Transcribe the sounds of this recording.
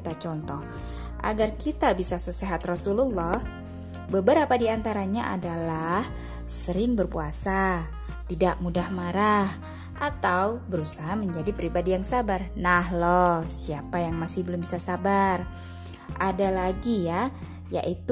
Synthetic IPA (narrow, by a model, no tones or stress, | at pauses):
t̪at͡ʃɔnt̪ɔh | ʔa̰ɡarkit̪abisasəseɦat̪rɔsululːɔh | bəbəɾapadiant̪aɾaɲaʔa̰dalah | səɾɪŋbərpuasa | t̪idaʔmudahmaɾah | ʔat̪awbəɾusaɦaməɲd͡ʒadipɾibadijaŋsabarnaɦlɔhsiapajaŋmasɪhbəlʊmbisasabar | ʔadalaɡija | ja̰ʔit̪